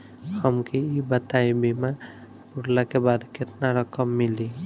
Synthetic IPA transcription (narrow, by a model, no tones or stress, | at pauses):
həmkeibət̪aibima | puɽlakebad̪ket̪naɾəkəmːili